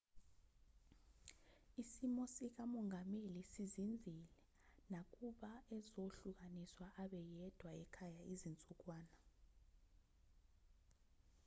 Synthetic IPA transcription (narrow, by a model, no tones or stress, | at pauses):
isimɔsik̬amɔŋɡʱamelisizind͡zʱilɛ | nak̬ʼuɓaɛzoɬuk̬ʼaniswaʔaɓɛjɛd̥ʱwaɛkʰajaʔizint͡sʼuk̬ʼwaːna